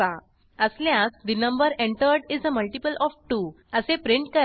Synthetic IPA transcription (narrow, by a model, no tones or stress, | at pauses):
a | əsljasd̪inəmbəɾẽɳʈəɾɖid͡zəməlʈipəlɔfʈu | əsepɾiɳʈ̚kəɾ